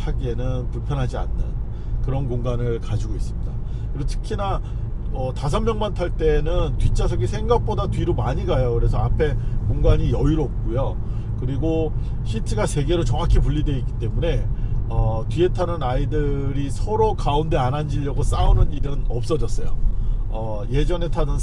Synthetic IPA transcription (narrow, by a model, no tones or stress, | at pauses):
tʰaɡie̞nɯnpuɭpʰjʌnɦad͡ʑia̰nːɯ̰n | kɯɾʌnkoŋɡanɯɭkad͡ʑiɡois͈ɯmɲida | otʰɯ̥kʰina | ʌtas̬ʰʌmːjʌŋmantʰaɭt͈e̞nɯntɥit͡ɕ͈as̬ʰʌɡisʰe̞ŋɡak̚p͈odatɥiɾomaɲiɡajokɯɾe̞sʰʌapʰe̞koŋɡaɲijʌiɾoːp̚k͈ujo | kɯɾiɡo | ɕʰitʰɯɡase̞ɡe̞ɾot͡ɕʌŋakʰip̬uʎːidweik͈̚i̥t͈e̞mune̞ʌtɥie̞tʰanɯnaidɯɾisʰʌɾokaunde̞anand͡ʑiʎːʌɡos͈aunɯniɾɯnʌp̚s͈ʌd͡ʑʌs͈ʌjo̰ʌ | je̞d͡ʑʌne̞tʰadɯn